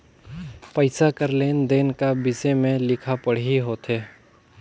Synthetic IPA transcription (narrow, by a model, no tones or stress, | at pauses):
pəɪsakɐɾleːnd̪eːnkabɪsemẽlɪkʰapɐɽ̤ɦiɦoːt̪ʰeː